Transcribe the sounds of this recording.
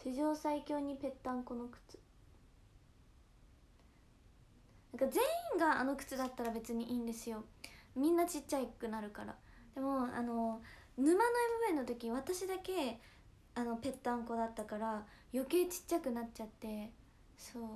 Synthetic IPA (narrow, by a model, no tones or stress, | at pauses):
ɕiʑo̞ːsaikʲo̞ːɲ̟ipe̞t̪ːãŋko̞no̞kɯ̟̥t͡sɨ̥ | nãŋkazẽ̞ɰĩŋɡaano̞kɯ̥t͡sɨd̪at̪ːaɾabe̞t͡sɨɲ̟iʔiːnd̪e̞sɨjo̞mʲĩnːat͡ɕit͡ɕt͡ɕːaikɯ̟naɾɯ̟kaɾa̰d̪̥e̞mo̞a̰no̞ | nɯ̟manaibɯβẽ̞nːot̪o̞kʲiβ̞at̪aɕid̪ake̞ | ano̞pe̞t̪ːãŋko̞d̪at̪ːakaɾa | jo̞ke̞ːt͡ɕi̥t͡ɕːakɯ̟nat͡ɕt͡ɕat̪ːe̞ | soː